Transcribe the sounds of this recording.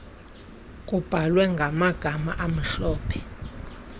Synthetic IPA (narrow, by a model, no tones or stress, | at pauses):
kʼub̥ʱalwɛŋɡʱamaɡ̥ʱama̰ʔam̩ɬɔːpʰɛ̥